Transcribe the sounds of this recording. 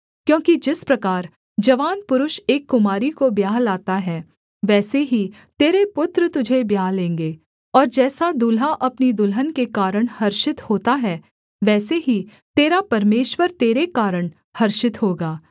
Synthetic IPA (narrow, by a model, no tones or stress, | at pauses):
kjõːkid͡ʒɪspɾɐkaːɾ | d͡ʒɐʋaːnpʊɾʊʃeːkːʊmaːɾikobjaːɦlaːt̪aɦɛː | ʋɛːseɦi | t̪eːɾepʊt̪ɾət̪ʊd͡ʒʱebjaːɦlẽːŋɡeː | ɔːɾd͡ʒɛːsad̪ʊlɦaʔɐpnid̪ʊlɦənkekaːɾəɽ̃hɐɾʃɪt̪hoːt̪aɦɛː | ʋɛːseɦi | t̪eːɾapɐɾmeːʃwəɾt̪eːɾekaːɾəɽ̃ | hɐɾʃɪt̪ɦoːɡaː